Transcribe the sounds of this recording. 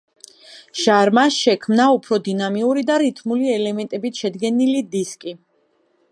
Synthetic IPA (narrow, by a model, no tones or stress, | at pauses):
ʒ̥aɾmaʃɛkʰmnaupʰɾɔd̪inamiuɾid̪aɾit̪ʰmuliɛlɛmɛnt̪ʼɛbit̪ʰʃɛd̪ɡɛnilid̪iskʼi